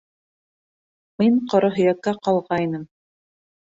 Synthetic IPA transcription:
miɴqŏɾŏɦɵ̆jækːæqɑlˠʁɑinɤm

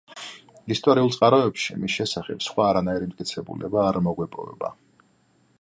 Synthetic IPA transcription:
ist̪ʼɔɾiulˠsʼqʼaɾɔɛpʃḭmisʃɛsaχɛpsχwaːɾanaiɾimt̪ʼkʼit̪sʰɛbṵlɛbaːɾmɔɡwɛpʼɔ̰vɛ̰ba̰

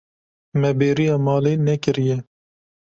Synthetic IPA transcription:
mɛbeːɾijɑːmɑːleːnɛkɨɾijɛ

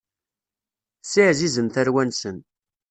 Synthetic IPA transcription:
sɪʕzizənθæɾwænsən

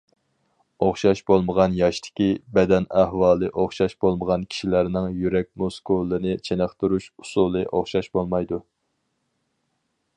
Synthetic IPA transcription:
oχʃɑʃbolˠməʁɑnjɑʃt̪ʰɪ̥kʲibɛd̪ɛnæhwɑːlˠɨʔoχʃɑʃb̥olˠməʁɑnkʲʰi̥ʃilæɾnɪŋjyɾɛk̚ʲmoskolˠːɨnɨt͡ʃʰenæχt̪uɾuʃusulˠɨʔoχʃɑʃbolˠmɑjd̪u

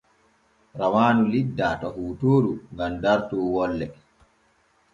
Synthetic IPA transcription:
ɾawaːnulidːatɔhuːtoːɾuŋɡamdaɾtuːwɔlːɛ

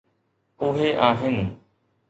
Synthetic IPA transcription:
ʊɦeʔaːɦɪnɪ̆

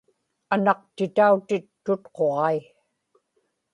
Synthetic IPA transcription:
anɑq̚t̪ɪt̪aut̪ɪt̪ːʊt̪qo̞ʁɑi

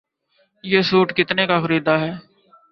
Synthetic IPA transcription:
jeːsuːʈkɪt̪neːkaːxəɾiːd̪aːɦɛː

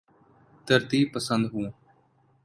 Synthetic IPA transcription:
t̪əɾt̪iːpəsənd̪ɦũː

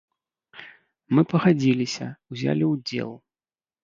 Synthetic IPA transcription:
mɨpɐɣad͡zʲilʲisʲɐ̰wzʲa̰lʲiwd͡zʲḛlˠ

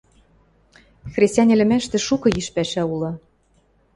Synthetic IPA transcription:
xrʲesʲt̪ʲænʲĕlʲɘ̆mæʃt̪ɘ̆ʃukɤ̆jiʃpæʃæulɤ̆

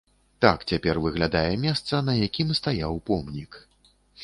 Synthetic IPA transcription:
t̪akt͡sʲapʲɛrvɨɣlʲad̪ajɛmʲɛst̪sɐnɐjakʲimst̪ajawpɔmnʲik

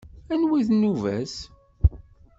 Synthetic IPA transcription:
ænwiðnuvæ̰s

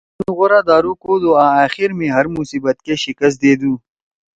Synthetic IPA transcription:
unɣʊɾaːd̪aːɾukod̪oːaːaːxiɾmẽːɦɐɾmusiːbət̪̚keʃɪkəs̬t̪̚d̪eːd̪ũː

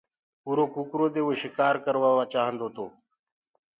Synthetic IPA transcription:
uːɾoːkukɾoːd̪eːoeʃɪkaːɾkəɾʋaːʋaːt͡ʃaːɦənd̪oːt̪o̰ː

